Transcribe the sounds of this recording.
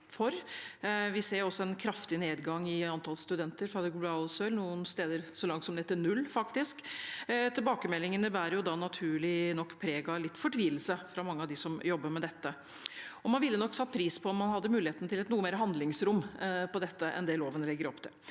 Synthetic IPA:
fɔɾ | ʋɪseːɾjʊɔsːɔɛnkʰɾɑft̪ɪneːd̪ɡɑŋːɪɑnt̪ʰɑlst̪ʉd̪ɛnt̪əɾfɾɑd̪ɛɡblɑʊsøɾlnuːənst̪eːd̪əɾsɔlɑŋt̪sɔmd̪ɛɛt̪ːənʉlːfɑkt̪ɪskt̪ʰɪlbɑːkəmɛlːɪŋənəbæːɾjʊd̪ɑnɑt̪ʰʉːɭɪnɔkːpʰɾeːɡɑlɪt̪ːfɔʈʰʋiːəlsəfɾɑmɑŋːəɑd̪ɪsɔmjɔbːəɾmɛd̪ɛt̪ːə | ɔmɑnʋɪlːənɔkːsɑt̪̚ːpʰɾiːspʰɔɔmːɑnhɑd̪ːəmʉːlɪeːt̪nt̪ɪlɛt̪nuːəmeːɾɦɑnd̪lɪŋsɾʊmːpɔd̪ɛt̪ːəʔɛ̰nd̪ɛloːʋənlɛɡːəɾɔpːt̪ʰɪl

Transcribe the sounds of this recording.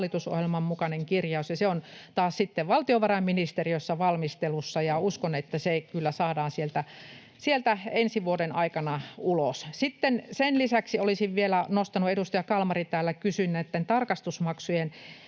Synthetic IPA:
lːit̪uso̰hjelmɑmmukɑneŋkirjɑusjɑseont̪ɑːssit̪ːeʋʋɑlt̪ioʋɑrɑmminist̪eriøsːɑʋɑlmist̪elusːɑjɑuskonet̪ːæsekylːæsɑːdɑːnsielt̪æ | sielt̪æensiʋuodenɑikɑnɑulossit̪ːensenlisæksiolisiʋʋielænost̪ɑnuedust̪ɑjɑkɑlmɑrit̪æːlːækysynːet̪ːent̪ɑrkɑst̪usmɑksujen

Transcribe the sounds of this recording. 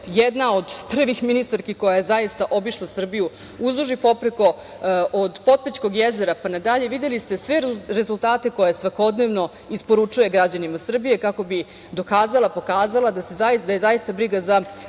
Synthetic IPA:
jed̪nao̞d̪pr̩ʋixminist̪aɾkiko̞jajezajist̪aʔo̞biʃlˠasr̩biju | uzlˠuʒipo̞pɾeko̞ | od̪po̞t̪̚pet͡ɕko̞ɡjezeɾapanad̪aʎe̞ʋid̪jelist̪e̞sʋe̞ɾɾezult̪aːt̪e̞ko̞jesʋako̞d̪ne̞ʋno̞ | ispo̞ɾut͡ʂuje̞ɡɾad͡ʑanimasr̩bije̞kako̞bi | d̪o̞kaːzalˠapo̞kaːzalˠad̪asezad̪ajezajist̪abɾiɡaza

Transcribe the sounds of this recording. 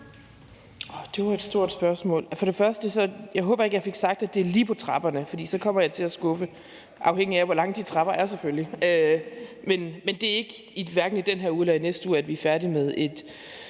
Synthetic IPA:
ɒd̥e̝ʋɑ̈e̝d̥sd̥o̝ɐ̰d̥sb̥ɶɐsmɔ̰̽ːlfɒ̽ɾ̥e̝fɶɐsd̥əsɒ̽jɑ̈ɪɦɔ̽ːb̥ɐe̝ɡ̥jɑfe̝ɡ̥sɑ̈ɡ̥̚d̥æd̥e̝æɐliːpʰɒ̽t͡sʰʁɑ̈b̥ɐnəfɒdḭːsɒ̽kʰɒ̽m̰ɐjɑ̈ɪt͡sʰe̝læsɡ̥ɔ̽fə | ʔɑ̈ʊɦeŋ̰iæʋɒlɑ̈ŋəd̥it͡sʰʁɑ̈b̥ɐæɐseføljiø | menmend̥e̝æɐe̝ɡ̥ə | iʋæɐɡ̥n̩id̥enɦeɐ̰uðˠlænesd̥ṵːæd̥ʋiæɐfæɐdimeðˠe̝d̥

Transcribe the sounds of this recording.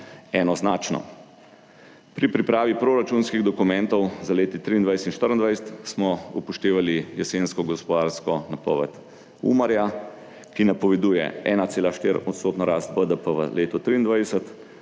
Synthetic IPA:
ɛnɔznaːt͡ʃnɔ̰ | pɾipɾipɾaːʋipɾoɾat͡ʃunskiɣd̪ɔkumɛ̃nt̪ɔwzaleːt̪it̪ɾiːnd̪ʋajsɛt̪inʃt̪əɾənd̪ʋajsət̪smɔupɔʃt̪eːʋalijɛsenskɔɡɔspɔd̪aɾskɔnapɔ̰ːʋɛ̰t̪ | ṵmaɾja | kinapɔʋɛd̪uːjɛ̰ɛ̰ːnat̪seːlaʃt̪eːɾɔt̪soːt̪nɔɾaːst̪bəd̪əpəʋə̰leːt̪ɔt̪ɾiːnd̪ʋajɛsət̪

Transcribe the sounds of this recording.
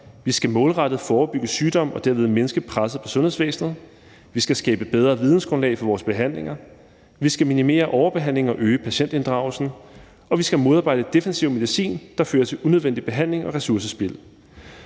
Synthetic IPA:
ʋisɡ̥æmɔ̽ːlʁɑ̈d̥ð̞̩ˠfɒːb̥yɡ̥əsyːd̥ɒ̽m̰ɒ̽d̥æɐ̰ʋe̝ð̞ˠme̝nəsɡ̥əpʰʁasɐpʰɒ̽sɔ̽nhe̝ðˠsʋḛːsnð̞̩ˠ | ʋisɡ̥æsɡ̥ɛ̰ːb̥əb̥eð̞ˠʁɐːʋið̞ˠn̩sɡ̥ʁɔ̽nlɛ̰ɪfɒʋɒːsb̥e̝ɦæn̰le̝ŋɐ | ʋisɡ̥æminime̝̰ːɐʔɒʊɐb̥e̝ɦæn̰le̝ŋɒ̽ʔøːəpʰæɕen̰d̥e̝nd̥ʁɑ̈ʊlsn̩ | ɒ̽ʋisɡ̥æmo̝ð̞ˠɑ̈ːb̥ɑ̈ɪ̥əd̥e̝fensiʊme̝ð̞ˠisḭːnd̥ɑ̈føːɐt͡sʰe̝lʔunøðˠen̰d̥ib̥e̝ɦæn̰le̝ŋɒ̽ʁɛsuɐs̬əsb̥e̝l

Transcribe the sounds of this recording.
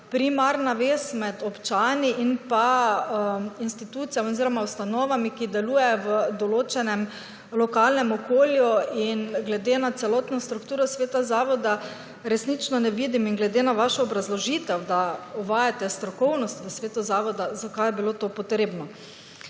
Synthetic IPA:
pɾimaɾnaʋeːsmɛd̪ɔpt͡ʃaːniʔinpa | inst̪it̪uːt̪sijamoziɾɔmawst̪anɔːʋamikid̪ɛluːjɛjɔʋəd̪ɔloːt͡ʃɛnɛm | lɔkaːlnɛmɔkoːljuinɡlɛd̪enat̪sɛlɔːt̪nɔst̪ɾukt̪uːɾɔsʋeːt̪azaːʋɔd̪a | ɾɛsnit͡ʃnɔnɛʋiːd̪iminɡlɛd̪enaʋaʃɔːbɾazlɔʒiːt̪ɛwd̪aɔʋaːjat̪ɛst̪ɾɔkɔwnɔst̪ʋəsʋeːt̪uzaːʋɔd̪azakajɛbilot̪oːpɔt̪ɾeːbnɔ

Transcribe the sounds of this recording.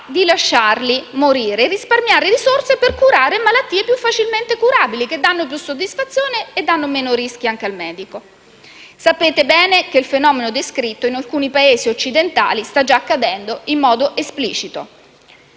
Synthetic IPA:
d̪ilaʃːarlimoɾiːɾerisparmjaːɾeɾisorseperkuɾaːɾemalat̪ːiːepjufːat͡ʃilment̪ekuɾaːbilik̟ed̪ːanːopjusːod̪isfat̪sːjoːneːd̪ːanːomeːnoɾisk̟iaŋk̟ealmɛːd̪iko | sapeːt̪ebɛːnekeilfenɔːmenod̪eskɾit̪ːoinalkuːnipaeːziot͡ʃːid̪ent̪a̰ːlist̪ad͡ʒaːkːad̪ɛnd̪oimːɔːd̪oʔesplḭːt͡ʃit̪o̰

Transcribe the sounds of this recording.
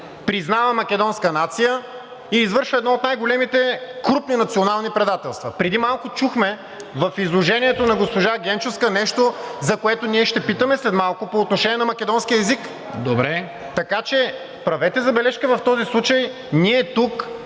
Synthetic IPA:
pɾiznavəmɐkʲɛd̪ɔnskənat̪sijə | iːzvɤɾʃvəɛd̪nɔot̪najɡolɛmit̪ɛkɾupninɐt̪sionalˠnipɾɛd̪at̪ɛlˠst̪vɐpɾɛd̪imalˠkʊt͡ʃuxmɛ | vɐfizlˠoʒɛniɛt̪onɐɡospoʒaɡʲɛnt͡ʃofskənɛʃt̪ozɐkoɛt̪oniɛʃt̪ɛpit̪əmɛslɛt̪malˠkʊpoːt̪noʃɛnʲiɛnɐmɐkʲɛd̪ɔnskiəɛzik | d̪obɾɛ | t̪ɐkat͡ʃɛ | pɾɐvɛt̪ɛzɐbɛlɛʃkəvɐft̪ɔzislˠut͡ʃəj | niɛt̪uk

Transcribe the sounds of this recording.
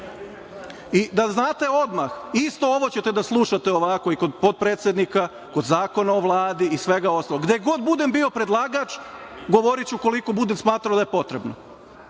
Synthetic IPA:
id̪aznaːt̪e̞o̞d̪maxist̪o̞o̞ʋo̞t͡ɕe̞t̪e̞d̪aslˠuʃat̪e̞o̞ʋako̞iko̞d̪po̞d̪̚pɾeːt̪sje̞d̪nika | kod̪zaːko̞naoʋlˠaːd̪iisʋe̞ɡao̞st̪aloɡd̪eɡo̞d̪bud̪e̞mbio̞pɾe̞d̪lˠaːɡat͡ʃɡo̞ʋo̞ɾit͡ɕuko̞liko̞bud̪emsmaːt̪ɾaod̪ajepo̞t̪ɾe̞bno

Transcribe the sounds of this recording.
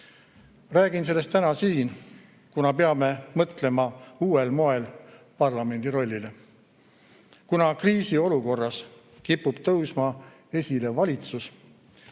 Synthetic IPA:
ræːɡ̥ins̬e̞lːe̞st̪t̪ːænɑsiːn | kunɑpeɑme̞mɤt̪ˑle̞mɑuːe̞lmo̞e̞l | pɑrlɑme̞nʲd̪̥iɾo̞lʲːile̞ | kunɑkriːsio̞luko̞rːɑs | kipːˑub̥̚t̪ɤwsmɑ | e̞sʲile̞vɑlʲit̪sus

